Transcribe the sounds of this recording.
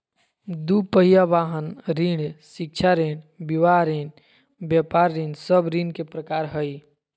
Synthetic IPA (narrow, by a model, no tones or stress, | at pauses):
d̪upəɦijaʋaɦənɾiɽsɪk̚t͡ʃʰaɾeɽbiʋaɾen | bjɛpaɾːinsəbɾinkepɾəkaːɾɦəj